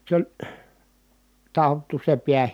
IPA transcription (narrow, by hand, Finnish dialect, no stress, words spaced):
s olʲ tɑotːu se piæ